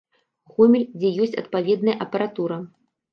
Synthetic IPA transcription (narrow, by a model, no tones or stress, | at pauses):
ɣɔmʲilʲd͡zʲɛjɔsʲt͡sʲɐ̰t̪̚pavʲɛd̪nɐjɐʔɐpɐɾat̪uɾɐ